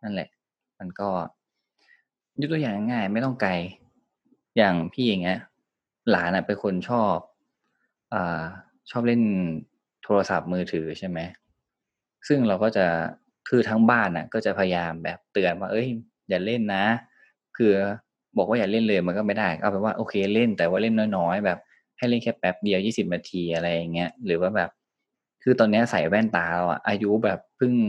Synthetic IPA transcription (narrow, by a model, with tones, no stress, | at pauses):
na˥˩nlɛ̰˨˩ʔ | ma˧nkɔː˥˩ | ju˦˥t̪u˧jaː˨˩ŋa˥˩ŋaː˥˩jma˥˩jt̪ɔ˥˩ŋka˧j | jaː˨˩ŋpʰiː˥˩ja˨˩ŋi˦˥ɐʔ | laː˩˦nʔa˨˩pa˧nkʰo˧nt͡ɕʰɔː˥˩p̚ | ʔaː˨˩ | t͡ɕʰɔː˥˩p̚le˥˩n | t̪ʰoː˧ɾa˧sa˨˩p̚mɯː˧t̪ʰɯː˩˦t͡ɕʰa˥˩jma˦˥j | sɯ˥˩ŋɾa˧wkɔː˥˩t͡ɕa˨˩ | kʰɯː˧t̪ʰa˦˥ŋbaː˥˩nʔa̰˨˩kɔː˥˩t͡ɕa˨˩pʰa˧ja˧jaː˧mbɛː˨˩p̚t̪ɯ˨˩ənwaː˥˩ʔɤ˦˥˩j | jaː˨˩le˥˩nːa˦˥ | kʰɯː˧ | bɔː˨˩k̚waː˥˩aː˨˩le˥˩nlɤː˧jma˧nkɔ˥˩ma˥˩jdaː˥˩jka̰˥˧˩pɛː˨˩waː˥˩ʔoː˧kʰeː˧le˥˩nt̪ɛː˨˩waː˥˩le˥˩nːɔː˦˥jnɔː˦˥jbɛː˨˩p̚ | ha˥˩jle˥˩nkʰɛː˦˥˩pːɛ˦˥p̚di˧əwjiː˥˩si˨˩p̚naː˧t̪ʰiː˧ʔa˧ɾa˧jːa˨˩ŋːi˦˥ɐɾɯː˩˦waː˥˩bɛː˨˩p̚ | kʰɯː˧t̪ɔː˧nːi˦˥ɐ˥˧sa˨˦jwɛː˥˩nt̪aː˧la˦˥wʔa̰˨˩ʔaː˧ju˦˥bɛː˨˩pʰːɯ˥˩ŋ